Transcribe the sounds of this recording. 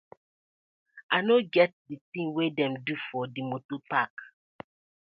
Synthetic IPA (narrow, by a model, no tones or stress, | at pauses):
ʔanoɡɛt̚diθĩŋwedɛ̃mdufɔdimotopak